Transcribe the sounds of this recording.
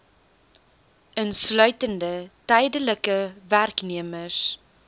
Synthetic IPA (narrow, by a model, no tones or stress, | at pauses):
ənslœɥtəndətɛjdələkəværkniəməs